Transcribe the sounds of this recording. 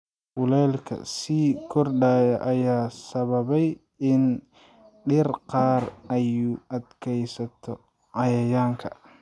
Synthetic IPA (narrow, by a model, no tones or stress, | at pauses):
hʊlɛːlkʰɐ̰siːkʰɔrɖaːjɐʔɐjaːsɐβɐβɛj | ɪn | ɖɪrqɑːrɐjʊʔɐd̪kʰɛjsɐt̪ʰɔ | ʕɑjɐjaːŋkʰɐ